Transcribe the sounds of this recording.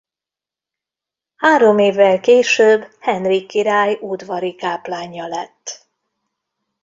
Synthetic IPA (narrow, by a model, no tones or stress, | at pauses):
haːɾo̞meːvːɛlkeːʃøːbhɛnrikːiɾaːjud̪ʋɒɾikaːplaːɲːɒlɛt̪ː